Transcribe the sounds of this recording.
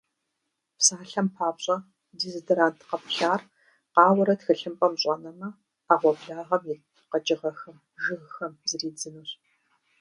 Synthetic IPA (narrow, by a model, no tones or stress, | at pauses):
psaːɬɐmpʰaːpɕʼɐ | dizdɐɾaːntʰqɐpʰɬaːr | qɑːwɐɾɐtxɨɬɨmpʼɐmɕʼɐnɐmɐ | aːʁʷɔbɮaːʁɐmjɪ | qɐt͡ʃʼɪʁɐxɐm | ʒɨɣxɐmzɨriːd͡zɨnuɕ